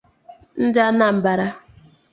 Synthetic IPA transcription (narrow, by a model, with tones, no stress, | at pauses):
n̩˦da˦na˨m̩˨ba˨ɾa˦